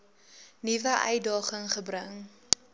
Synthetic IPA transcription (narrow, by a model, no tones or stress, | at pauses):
nivəʔœ̰jdɑːχəŋχəbrəŋ